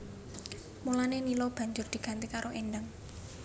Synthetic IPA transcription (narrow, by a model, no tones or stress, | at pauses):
mulanenilɔb̥ä̤ɲd͡ʒʊrd̪̥i̤ɡ̥a̤nt̪ikaɾʔoʔenɖəŋ